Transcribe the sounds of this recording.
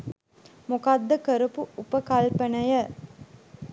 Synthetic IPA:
mukad̪ːəkəɾupuupəkalpənəjə

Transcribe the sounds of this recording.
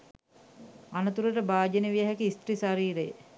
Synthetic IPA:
anət̪uɾəʈəbaːd͡ʒəneʋijəɦækiist̪ɾisaɾiːɾejə̰

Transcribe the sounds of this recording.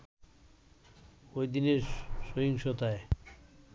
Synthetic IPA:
ojd̪ineɾʃojiŋʃot̪ae

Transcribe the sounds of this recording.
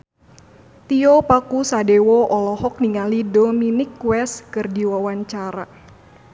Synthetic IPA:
t̪iɔpakusadewɔʔɔlɔɦɔk̚niŋalidoɔminɪkːwɛskɨrdiwawaɲt͡ʃaɾa

